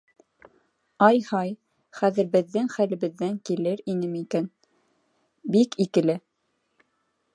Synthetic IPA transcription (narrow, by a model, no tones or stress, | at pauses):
ɑjhɑj | χæðɘ̆ɾbɘ̆ðːɘŋχælɘ̆βɘ̆ðːæŋkilɘɾinɘmikæn | bikikɘ̆lɘ